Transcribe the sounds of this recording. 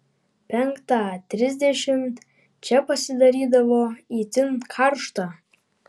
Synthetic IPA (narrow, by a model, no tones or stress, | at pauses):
pʰʲaŋkʰʼtʰatʰrizd̪ʲeʃɪntʼ | t͡ʃʰapʰʼasidaɾidavoitʰɨnkʰarʂtʰa